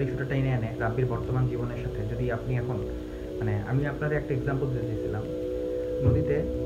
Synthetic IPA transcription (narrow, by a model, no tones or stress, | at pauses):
iʃuʈaʈajneaneɾabːiɾbɔɾt̪omand͡ʑiboneɾʃat̪ʰed͡ʑod̪iapniɛkʰon | manea̰miapnaɾɛk̚ʈaeɡzampold̪ed̪it͡ɕʰilam | nod̪it̪e